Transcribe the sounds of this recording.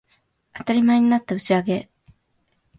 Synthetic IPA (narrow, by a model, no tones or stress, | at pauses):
at̪aɾʲimaeɲ̟inat̪ːaɯ̟t͡ɕiaɡe̞